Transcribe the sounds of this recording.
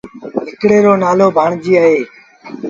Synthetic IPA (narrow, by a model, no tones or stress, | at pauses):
ɦɪkɽeːɾoːnaːloːbʱaːɳd͡ʒiːaːɦeː